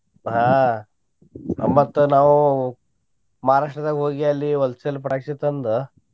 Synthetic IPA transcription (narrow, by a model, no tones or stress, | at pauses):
ɦãː | mɐt̪ːunaːʋu | mɐɦaːɾaːʂʈɐd̪aːɡʲɦoːɡiɐlːiʋɔlsɐlːpɐʈaːkt͡ʃit̪ːɐnd̪u